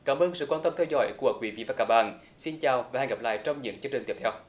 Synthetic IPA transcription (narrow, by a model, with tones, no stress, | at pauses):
kaː˨˦mʔəː˧nsɨ̰˧˨kwaː˧nt̪ə˧mt̪ʰɛ˧wzɔ̰˧˦jku˧˩əkwi˨˦vḭ˧˨vaː˨˩kaː˧˦˥ɓa̰ː˧˨n | si˧nt͡ɕaː˨˩wvaː˨˩ha˨˩ŋɣə˨˩p̚la̰ː˧˨jt͡ɕɔ˧wŋ͡mɲɨ̰˧˥ŋkt͡ɕɨ˧əŋt͡ɕi˨˩ŋ̟t̪i˦˩t̪ʰɛ˧w